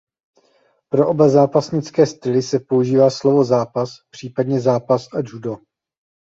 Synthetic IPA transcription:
pɾo̞ʔo̞bazaːpasɲɪt͡skɛːst̪ɪlɪsɛpo̞uʒiːvaːslo̞vo̞zaːpaspr̝̥iːpadɲɛzaːpasʔad͡ʒudo

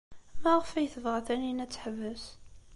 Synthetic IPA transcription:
mæʁfæjθəvʁæθæninæt͡sːħəvːəs

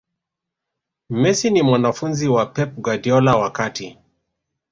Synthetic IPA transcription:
mɛsinimwanafunziwapɛp̚ɡadiɔlawakati

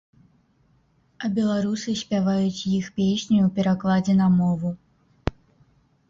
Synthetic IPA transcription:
ɐbʲɛlˠaɾusɨsʲpʲavajut͡sʲjixpʲesʲnʲuːpʲɛɾaklˠad͡zʲɛnamɔvu

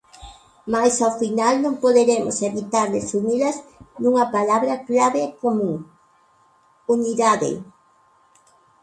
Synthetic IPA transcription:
majsawfinalnõŋpoðeɾemoseβit̪aɾlesunilɐznuŋɐpalaβɾɐklaβekomũŋ | uniðaðḛ

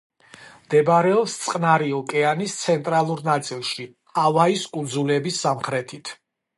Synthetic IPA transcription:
md̪̥ɛbɾɛɔpst̪sʼqʼnaɾiɔkʼɛanist̪sʰɛnt̪ʼɾalˠuɾnat̪sʼilˠʃi | avaiskʼud̪zulɛbisːamχɾɛt̪ʰit̪ʰ

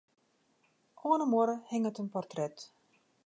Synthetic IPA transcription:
ʔoːənəmoɾəhɪŋətənpɔrtrɛt

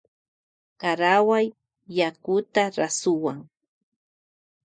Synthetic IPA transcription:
kaɾawajː | akʊt̪aɾasʊwaŋ

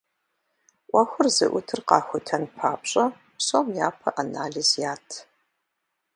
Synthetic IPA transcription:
ʔʷɐxʷʊrzɨ̰ʔʷʊtʰɨrqɑːxʷʊtʰɐnpʰaːpɕʼɐ | pɕʼɐmjaːpʰɐʔanaːɮizjaːtʰ

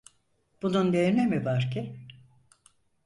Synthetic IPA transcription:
b̥unund̪eɾnemivaɾcʰɪ

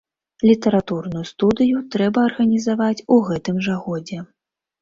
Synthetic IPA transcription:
lʲit̪ɐɾat̪urnujust̪ud̪ɨjut̪ɾɛbɐːrɣɐnʲizavat͡sʲuɣɛt̪ɨmʐaɣɔd͡zʲɛ

